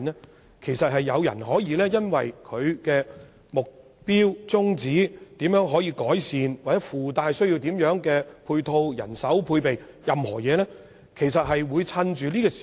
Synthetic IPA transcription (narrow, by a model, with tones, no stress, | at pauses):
nɛ˥ | kʰe˨˩jsɐ˨t̚hɐ˨jːɐ˨˧wjɐ̰˨˩nɦɔː˨˥jiː˨˧lɛː˥jɐ˥nwɐ˨jkʰɵ˨˧ɥkɛː˧ | mʊ˨k̚ | piː˥wt͡sʊ˥ŋt͡siː˨˥t̪iː˨˥mjœː˨˥ŋɦɔː˨˥jiː˧kɔː˨˥jsiː˨nwaː˨˩t͡sɛː˨˥fuː˨t̪aː˨˧jsɵ˥ɥji˧wt̪iː˨˥mjœː˨˥ŋkɛː˧pʰuː˧jt̪ʰo˧wjɐ̰˨˩nsɐ˨˥wpʰuː˧jpe˨j | jɐ˨mhɔ̰ː˨˩jɛː˨˧lɛː˥ | kʰe˨˩jsɐ˨t̚ɦɐ˨jwuː˨˧jt͡sʰɐ˧nt͡ʃyː˨liː˥kɔ˧